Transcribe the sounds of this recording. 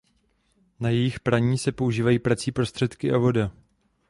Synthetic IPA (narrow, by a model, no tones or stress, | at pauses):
najɛjɪxpɾaɲiːsɛpo̞uʒiːvajiːpɾat͡siːpɾo̞st̪r̥ɛt̪kɪʔavo̞da